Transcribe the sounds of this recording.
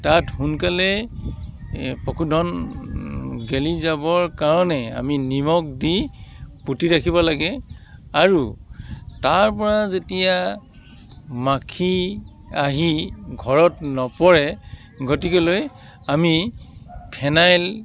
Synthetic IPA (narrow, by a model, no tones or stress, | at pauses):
tathunkalɛ | pɔkʰudʱɔn | ɡelizabɔɹkaɹɔnɛa̰minimɔk̚diputiɹakʰibɔlaɡɛaɹu | taɹpɔɹazetija | makʰi | aɦiɡʱɔɹɔtnɔpɔɹɛ | ɡotikɔlojami | pʰɛnajl